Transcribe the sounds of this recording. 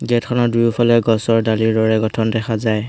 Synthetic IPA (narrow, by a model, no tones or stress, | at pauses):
ɡɛtkʰɔnɔdujupʰɔlɛɡɔsɔɹdaliɹdɔɹɛɡɔtʰɔndɛxʰazaj